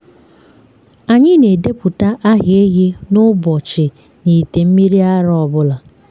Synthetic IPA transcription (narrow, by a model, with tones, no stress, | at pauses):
a˨ɲɪ˦ne˨de˦pʊ˨ta˦ʔa˦ɦɪ˨e˦ɦe˦nʊ˦bɔ˨t͡ʃɪ˨ | ni˨te˨m̩˦mi˦ɾi˦a˦ɾɔ˨bʊ˦la˨